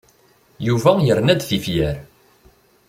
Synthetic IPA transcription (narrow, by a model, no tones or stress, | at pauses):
juvæjəɾnæd̪θifjæɾ